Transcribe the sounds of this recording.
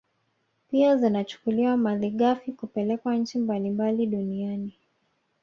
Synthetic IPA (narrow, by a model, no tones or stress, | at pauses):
piazinat͡ʃu̥kuliwamaðiɠafikupɛlɛkwaɲ̩t͡ʃimbalimbaliɗuniani